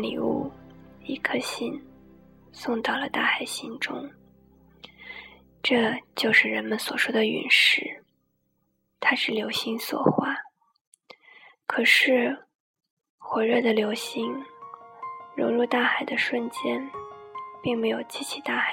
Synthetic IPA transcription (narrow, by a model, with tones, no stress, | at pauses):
lḭ˨˩ṵ˥˩i˥kʰɤ˥ɕi˥˩n | sʊ˥˧ŋt̪ɑ˥˩ʊlə˩t̪a˥˩xa˨˩ɪɕi˥nʈ͡ʂʊ̰˥ŋ | ʈ͡ʂɤ˥˧t͡ɕjo˥˧ʊʂɻ̩˥˩ɻə˧˥nmə˧nswɔ˨˩ʂwɔ˥d̪ə˨y̰˨˩nʂɻ̩˥ | t̪ʰa˥ʂɻ̩˥˩ljo˧˥ʊɕi˧˥ŋswɔ̰˨˩xwa˥˩ | kʰɤ˨˩ʂɻ̩˥˩ | xwɛ˧˥ɻɤ˥˩d̪ə˩ljo˧˥ʊɕi˧˥ŋ | ɻjo˧˥ʊɻu˥˧t̪a˥˩xa˨˩ɪd̪ə˦ʂwə˥˩nt͡ɕjɛ˥n | pi˥˩ŋme˧˥ɪjo˨˩ʊt͡ɕi˥t͡ɕʰi˧˥t̪a˥˩xa˨˩